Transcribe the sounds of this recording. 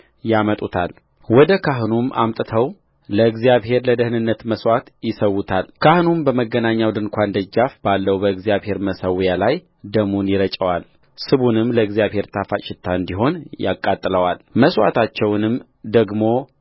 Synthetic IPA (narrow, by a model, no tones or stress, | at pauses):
jamət̪ʼut̪ʰa̰l | wɔd̪əkʰaɦnumʔa̰mt̪ʼɨt̪ʰəw | ləɨɡzijaβhe̞ɾləd̪əhnɨnːət̪məswat̪jɪsəwːut̪ʰalkʰahnumbəməɡːənaɲːawd̪ɨnkʷand̪əd͡ʒːafb̥alːəwubəɨɡzijaβhe̞ɾməsəwjalaj | d̪əmunjɪɾət͡ʃʼəwal | sɨβunɨmləɨɡzijaβhe̞ɾt̪ʰafat͡ʃɪt̪ʰːaɨnd̪iɦo̞nja̰kʼːat̪ʼːləwalməswa̰t̪ʰat͡ʃːɛwnɨm | d̪əɡmo̞